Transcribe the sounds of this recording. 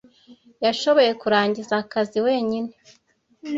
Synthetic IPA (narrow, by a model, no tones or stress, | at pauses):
jaʃo̞βo̞je̞kuɾaːɲɟizakaziwe̞ːɲine̞